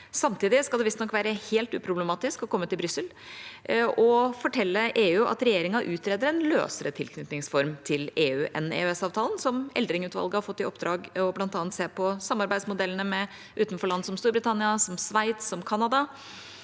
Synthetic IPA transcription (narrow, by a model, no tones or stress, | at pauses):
sɑmt̪ʰiːd̪ɪskɑld̪ɛʋɪst̪nɔkːʋæːɾəheːlt̪ʉ̰ːpʰɾʊbləmɑːt̪ɪskɔkʰɔmːət̪ɪlbɾʏsːəl | ɔfɔʈʰɛlːəʔeːʉʊʔɑ̰t̪ɾɛjeːɾɪŋɑʔʉːt̪ɾeːd̪əɾɛnlø̰ːsəɾət̪ʰɪlkʰnʏt̪nɪŋsfɔɾmt̪ʰɪleːʉːʔɛ̰nḛːʉɛsɑːʋt̪ʰɑːlənsɔmɛ̰ld̪ɾɪŋʉːt̪ʋɑ̰lɡəhɑɾfɔt̪ːɪɔp̚d̪ɾɑːɡɔblɑnt̪ɑːnt̪seːpʰɔsɑmːɑɾbæɪd̪smʊd̪ɛlːənəmɛ | ʔʉːt̪n̩fɔɭɑnd̪sɔmst̪uːɾbɾɪt̪ʰɑnɪɑsɔmsʋæɪt̪sɔmkʰɑnɑd̪ɑ